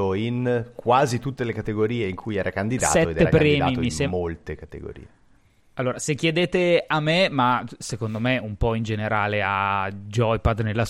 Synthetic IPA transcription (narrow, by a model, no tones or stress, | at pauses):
oinkwaːzit̪ut̪ːelekat̪eɡoɾiːeiŋkʰujɛːɾakand̪idd̪asːɛtoed̪ɛeɾa̰kpaɾɛːd̪am̰ːiomisɛmolt̪ekat̪ḛɡo̰ɾḭːe | alːoːɾasekːjed̪eːt̪eamːemasekond̪omeumpɔind͡ʒeneɾaːlead͡ʒɔjpad̪nelːas